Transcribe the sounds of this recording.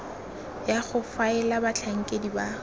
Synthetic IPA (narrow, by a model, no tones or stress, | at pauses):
jaχʊfaɛlabat͡ɬʰaŋ̩kʼediba